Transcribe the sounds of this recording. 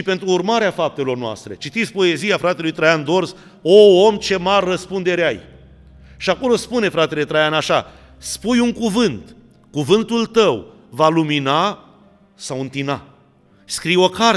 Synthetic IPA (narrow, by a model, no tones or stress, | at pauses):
ʃipe̞nt̪ɾuːrmaɾeafap̚t̪e̞lo̞rnoa̰st̪ɾe̞t͡ʃit̪it̪sʲpo̞e̞zijafɾat̪e̞lujt̪ɾajand̪o̞rz | oomt͡ʃe̞marːəspund̪e̞ɾeaj | ʃiako̞lo̞spune̞fɾat̪e̞le̞t̪ɾajanaʃa | spujuŋkuvɨnt̪ | kuvɨnt̪ult̪əw | valumina | sawɨnt̪ina | skɾijo̞ka